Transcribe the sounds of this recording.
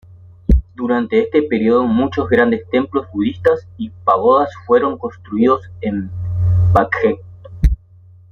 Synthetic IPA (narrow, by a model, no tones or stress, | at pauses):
d̪uɾant̪eest̪e̞peɾioðomut͡ʃo̞zɣɾand̪e̞st̪e̞mplo̞zβuðist̪asipaɣ̞oðasfwe̞ɾo̞ŋko̞nst̪ɾuiðo̞sem | bakxek̚